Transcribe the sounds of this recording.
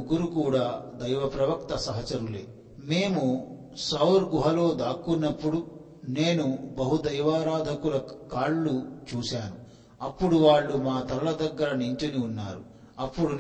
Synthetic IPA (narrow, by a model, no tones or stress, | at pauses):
ɡːuɾukuːɽaːd̪ɐjʋɐpɾɐʋɐkt̪ɐsɐɦɐt͡ʃɐɾulḛː | me̞ːmu | sɐwɾɡuɦɐlo̞ːd̪aːkːunːɐpːuɽu | ne̞ːnubɐɦud̪ɐjʋaːɾaːd̪ʱɐkulɐkaːɭːut͡ʃuːsaːnu | ɐpːuɽuʋaːɭːumaːt̪ɐɾɐlɐd̪ɐɡːɐɾɐniɲt͡ʃɐniunːa̰ːɾu | ɐpːuɽun